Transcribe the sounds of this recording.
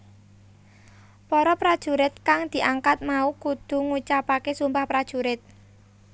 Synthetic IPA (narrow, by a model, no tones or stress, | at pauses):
pɔɾɔpɾad̥ʒ̥ṳɾɪt̪̚kaŋd̪̥i̤ʔaŋkat̪̚maukud̪̥ṳŋut͡ʃapakesumpahpɾad̥ʒ̥ṳɾɪt̪̚